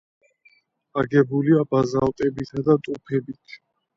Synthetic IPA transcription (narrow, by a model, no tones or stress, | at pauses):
aɡɛbuliabazalt̪ʼɛbit̪ʰad̪at̪ʼupʰɛbit̪ʰ